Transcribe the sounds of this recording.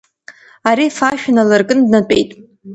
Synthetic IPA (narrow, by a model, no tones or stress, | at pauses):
aɾifaʃᶣanalɨrkʼɨndnatʼe̞̰jtʼ